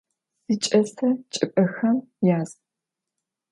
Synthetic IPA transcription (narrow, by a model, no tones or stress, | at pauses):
sit͡ʃʼɐsɐt͡ʃʼɪpʼɐxɐmjaːz